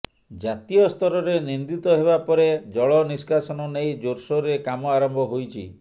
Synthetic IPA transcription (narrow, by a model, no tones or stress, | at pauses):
d͡ʒat̪ijɔst̪ɔɾɔɾenind̪it̪ɔɦebapɔɾed͡ʒɔɭɔniskasɔnɔnejd͡ʒoɾsɔɾekamɔaɾɔmbʱɔɦojt͡ʃʰḭ